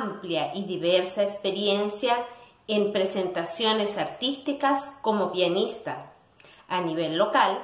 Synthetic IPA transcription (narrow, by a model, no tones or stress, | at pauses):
mpljaʔiðiβeɾsaekspeɾjensja | empɾese̞nt̪asjo̞nesaɾt̪ist̪ikasko̞mo̞pianist̪a | aniβ̞elːo̞kal